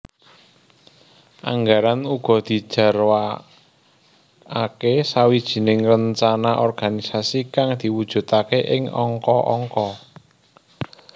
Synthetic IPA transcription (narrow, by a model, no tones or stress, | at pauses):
ʔa̰ŋɡaɾanuɡ̥ɔ̤d̪̥i̤̥ʒ̥a̤rwa | akesawid̥ʒ̥i̤nɪŋrəɲt͡ʃanaʔɔrɡ̥anisasikaŋd̪̥i̤wud̥ʒ̥ṳt̪akeʔɪŋɔ̰ŋkɔʔɔŋkɔ